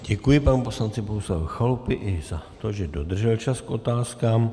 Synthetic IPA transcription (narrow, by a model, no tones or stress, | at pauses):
ɟɛkujɪpanupo̞slant͡sɪboɦuslavuxalupɪʔɪz̥at̪oʒɛdo̞d̪r̩ʒɛlt͡ʃaskʔo̞t̪aːskaːm